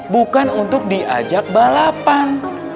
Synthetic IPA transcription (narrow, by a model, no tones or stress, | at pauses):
bukanunt̪ʊk̚diʔa̰d͡ʒak̚balapan